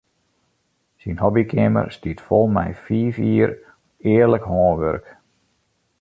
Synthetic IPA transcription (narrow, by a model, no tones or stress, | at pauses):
sinɦɔbikʰɪmə̰rstitfɔlˠmɛ̰jfiːfiər | ɪːərləkhɔːnʋørk